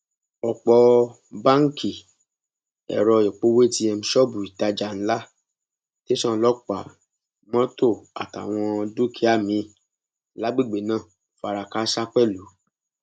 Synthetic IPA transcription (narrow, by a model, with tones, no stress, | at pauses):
ɔ˨k͡pɔ˧ | ba˦ŋ̩˦ki˨ | ɛ̰˨ɾɔ˧˨jɛ˨k͡po˦we˦ti˧˦ɛ˧mũ˧ʃɔ˦bu˨i˨ta˧d͡ʒa˧˨n̩˦la˦ | te˦ʃɔ̃˦˨lɔ˦k͡pa˨ | mɔ̃˦to˦˨a̰˨ta̰˨w̃ɔ̃˧du˦kʰi˨˦a˦˨mĩ˨˧˦ | la˨˦ɡ͡be˦˨ɡ͡be˨nãː˦˨ | fa˧ɾa˧ka˦ʃa˦k͡pɛ˦˨lu˨˦